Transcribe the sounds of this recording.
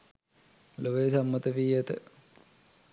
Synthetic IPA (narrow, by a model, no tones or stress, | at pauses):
loʋeːsamːɐt̪əʋiːjɐt̪ə